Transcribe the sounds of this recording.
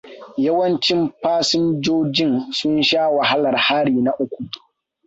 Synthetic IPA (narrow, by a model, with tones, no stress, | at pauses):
ja˦wɐ˦nt͡ʃɪ˦mɸaː˦sɪ˦nd͡ʒoː˦d͡ʒɪ˦nsʊ˦nʃaː˦wa˨ɦa˦lɐ˨rhaː˦ɽiː˨na˦ʔʊ˦kʷu˨